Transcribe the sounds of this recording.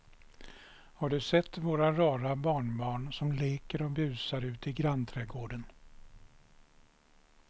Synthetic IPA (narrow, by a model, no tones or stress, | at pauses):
haɖɵsɛt̪ːvoːɾaɾɑːɾabɑːɳbɑːɳsɔmleːkəɾɔbʉ̟ːsaɾʉ̟ːt̪ɪɡɾant̪ʰɾɛːɡoːɖən